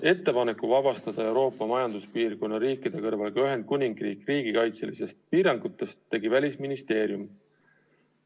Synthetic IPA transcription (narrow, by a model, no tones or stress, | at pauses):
e̞t̪ːe̞pɑne̞kːˑuvɑb̥ɑst̪ɑd̪̥ɑe̞wɾo̞ːpːˑɑmɑjɑnd̪̥uspiːrko̞nːɑɾiːkid̪̥e̞kɤrvɑlkɑyɦe̞nd̪̚kunʲiŋɡ̥riːkriːɡikɑjt̪se̞̰lise̞st̪̚piːɾɑŋɡ̥ut̪ːe̞st̪ːe̞ɡivælʲisminist̪e̞ːɾjum